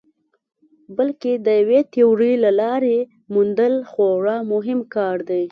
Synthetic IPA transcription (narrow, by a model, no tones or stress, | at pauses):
bəlked̪əjawet̪euɾilalɑɾe | mund̪əlxoɽɑmʊɦɪmkɑɾd̪aj